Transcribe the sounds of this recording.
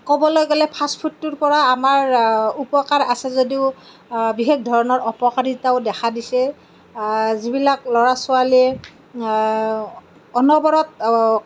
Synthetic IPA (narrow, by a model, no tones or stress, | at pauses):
kɔbɔlojɡɛlɛpʰaspʰutːuɹpɔɹaːmaɹupɔkaɹasɛzodiʊ | biɦek̚dʱɔɹɔnɔɹɔpɔkaɹitaʊdɛkʰadisɛ | zibilaklɔɹasʊaliɛ | ɔnɔbɔɹɔt̚